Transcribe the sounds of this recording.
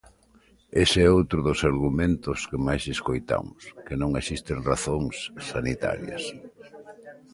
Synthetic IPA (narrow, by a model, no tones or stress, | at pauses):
eseɛowt̪ɾʊðʊsaɾɣumẽnt̪ʊskɪmajseskojt̪a̰mʊskɪnõŋesist̪ɪŋraθoŋsːanit̪a̰ɾjɐ̰s